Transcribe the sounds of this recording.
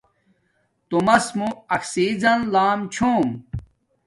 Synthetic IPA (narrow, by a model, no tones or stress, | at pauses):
t̪umɐsmuɐksiːzɐnlaːmt͡ɕʰoːm